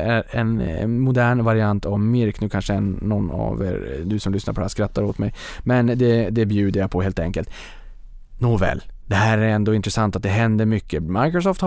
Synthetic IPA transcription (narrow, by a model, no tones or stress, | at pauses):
æɾɛ̰nmʊd̪æːɳvaɾɪant̪ʰavmɪɾknʉːkʰanʂəɛnːɔnːa̰vɛ̰ɾd̪ɵsɔmlʏsna̰ɾpɔd̪ɛæskɾat̪ːaɾot̪mɛj | mɛnd̪ɛd̪ɛbjʉ̟ːd̪əɾjapʰɔheːlt̪ɛŋkəlt̪ | nuvɛ̰ld̪ɛhæːɾæɾɛnd̪oːɪnt̪ɾɛsant̪at̪̚d̪ɛɦɛnd̪əɾmʏkːəmajkɾɔs̬ɔːft̪h